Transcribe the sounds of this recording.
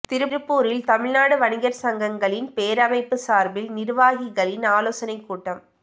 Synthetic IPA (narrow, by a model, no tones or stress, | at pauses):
t̪ɪɾɯɾɯpːuːɾɪlt̪ɐmɪɻnaːɽɯʋɐnɪɣɐɾsɐŋɡɐŋɡɐɭɪnpeːɾɐmɐɪpːɯsaːɾbɪlnɪɾʋaːɣɪɣɐɭɪnaːloːsɐnɐɪkːuːʈːɐm